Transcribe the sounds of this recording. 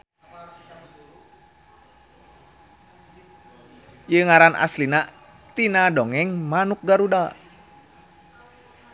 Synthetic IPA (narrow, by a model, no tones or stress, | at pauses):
jəŋaɾanʔa̰slinaʔ | t̪inadɔŋɛŋmanuk̚ɡaɾuda